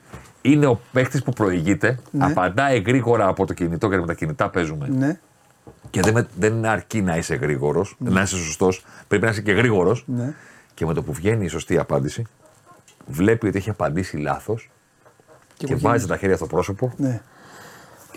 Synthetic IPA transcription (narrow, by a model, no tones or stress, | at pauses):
ine̞o̞pe̞xt̪ispupɾo̞iʝit̪e̞nɐpɐnd̪ɐiɣɾiɣo̞ɾɐːpo̞t̪o̞cinit̪o̞cet̪ipmt̪ɐcinit̪ɐpe̞zume̞n | ce̞ðeðenineɐɾcinɐise̞ɣɾiɣo̞ɾosnɐisesost̪o̞spɾe̞pinɐiseceɣɾiɣo̞ɾo̞sn | ceme̞t̪o̞puvʝe̞niːso̞st̪iɐpɐnd̪isi | vle̞pio̞t̪ie̞çiɐpɐnd̪isilɐ̰θo̞s | cevɐzist̪et̪ɐçe̞ɾʝɐsot̪opɾo̞so̞po̞